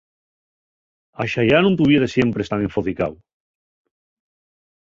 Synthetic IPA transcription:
aʃajanũnt̪uβjeɾesjempɾest̪aneɱfoθikaw

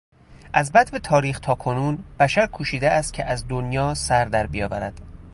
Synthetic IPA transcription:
ʔæzbæt̪bet̪ʰɒːɾiːxt̪ʰɒːkʰo̞nuːnb̥æʃæɾkʰuːʃiːd̪eʔæst̪̚cʲʰeʔæzd̪onjɒːsæɾd̪æɾbijɒːvæɾæ̰d̪̥

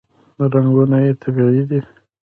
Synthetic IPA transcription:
ɾaŋɡunajet̪ʰaɡaɽid̪i

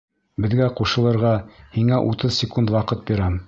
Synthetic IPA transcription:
bɘ̆ðɡæquʃɤ̆lˠɤ̆ɾʁɑhiŋæʔut̪ɤðsʲɪkund̪wɑqɤt̪̚biɾæm

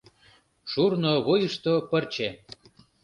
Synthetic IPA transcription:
ʃurnoβojəʃt̪opərt͡ɕe

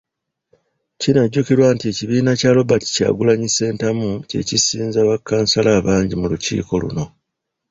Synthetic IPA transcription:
cinaɟːukiɾwaːntie̞ciβiːnacaːlo̞bati̥ca̰ːɡulaɲise̞ːntamuce̞̰cisiːnzaβakːaːnsalaːβaːɲɟimulucḭːko̞lṵno̞

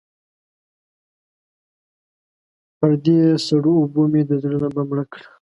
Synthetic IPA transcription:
pəɾd̪esaɽuːbomed̪əzɾənabamɽakɽa

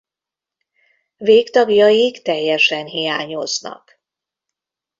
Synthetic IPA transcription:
veːkt̪ɒɡjɒjikt̪ɛjːɛʃɛnɦijaːɲoznɒ̰k

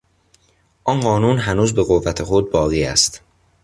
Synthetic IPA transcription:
ʔɒnɢɒːnuːnɦænuːzbe̞ɣovːæt̪ʰexod̪̚bɒːɣiːæ̰st̪

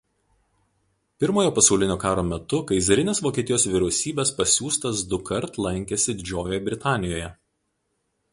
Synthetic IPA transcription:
pʲɪɾmoːjoːpɐsɐʊlʲɪnʲoːkɑːɾoːmʲɛt̪ʊkɐɪzʲɐɾʲɪnʲeːsʋoːkʲiːt̪ʲɪjoːsʋʲɪɾʲɛʊsʲiːbʲeːspɐsʲuːst̪ɐs̬d̪ʊkɐɾt̪lˠɐŋʲkʲesʲɪd̪ʲɪd͡ʒʲoːjoːjbʲɾʲɪt̪ɑːnʲɪjoːjɛ

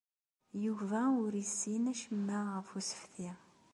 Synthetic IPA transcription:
juvæʊɾisːinæʃəmːæʁəfusə̥fθi

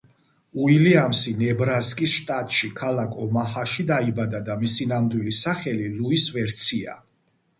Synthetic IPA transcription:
uiliamsinɛbɾaskʼisʃt̪ʼat̪ʼʃikʰalakʰʼɔmahaʃid̪aibad̪ad̪amisinamd̪wilisaχɛliluisvɛɾt̪sʰia̰

